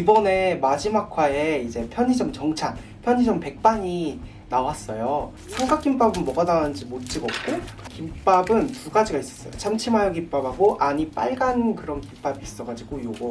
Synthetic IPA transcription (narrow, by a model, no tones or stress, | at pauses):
ibʌne̞mad͡ʑimakʰwaeid͡ʑe̞pʰjʌɲid͡ʑʌmt͡ɕʌŋt͡ɕʰan | pʰjʌɲid͡ʑʌmpe̞k̚p͈aɲi | nawas͈ʌjo | sʰʌŋɡak͈imp͈abɯnmʌɡanawɯnd͡ʑimot̚t͡ɕ͈iɡʌp̚k͈okimp͈abɯntuɡad͡ʑiɡais͈ʌ̥s͈ʌ̰jo̰t͡ɕʰamt͡ɕʰimajoɡimp͈abʱɦaɡoʔaɲip͈a̰ɭɡankɯɾʌnkimp͈abiːs͈ʌɡad͡ʑiɡojoɡo